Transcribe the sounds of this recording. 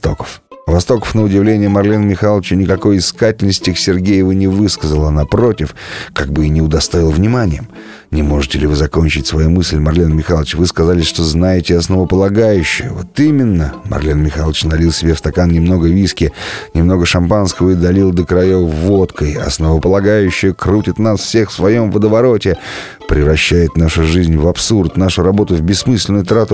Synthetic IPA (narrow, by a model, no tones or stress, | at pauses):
t̪o̞kə̥fvɐst̪o̞kə̥fnəʊdʲɪvlʲenʲɪjəmɐrlʲinmʲɪxalˠət͡ɕənʲɪkɐko̞jɪskatʲɪlʲnəsʲtʲɪksʲɪrɡʲejɪvɨnʲɪvɨskəzəlˠɐnapɾo̞tʲɪfkaɡ̚bɨinʲɪʊd̪ɐst̪oɪlˠvnʲɪmanʲɪjəm | nʲɪmo̞ʐɨtʲɪlʲɪvɨzɐko̞nʲt͡ɕɪtʲsvɐjumɨsʲlʲmɐrlʲinmʲɪxalˠət͡ɕvɨskɐzalʲɪsʲʂt̪o̞znajɪtʲɪɐsnəvəpəlˠɐɡajʉɕːɪjəvo̞t̪imʲɪnːəmɐ̰rlʲinmʲɪxalˠət͡ɕnɐlʲilˠsʲɪbʲefst̪ɐkannʲɪmno̞ɡəvʲiskʲɪnʲɪmno̞ɡəʂɐmpanskəvəɪd̪ɐlʲilˠd̪əkɾɐjovot̪kəjɐ̰snəvəpəlˠɐɡajʉɕːɪjəkɾutʲɪt̪nasfsʲe̞xfsvɐjo̞mvəd̪əvɐɾo̞tʲɪ | pɾʲɪvɾɐɕːæjɪt̪naʂʊʐɨzʲnʲvɐpsurt̪naʂʊɾɐbo̞t̪ʊvbʲɪsːmɨsʲlʲɪnʊjt̪ɾat̪ʊ